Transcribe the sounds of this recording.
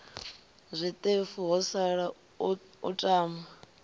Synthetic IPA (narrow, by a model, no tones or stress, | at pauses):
zʷit̪ʼefuɦɔsaɺa | ṵtʼaːma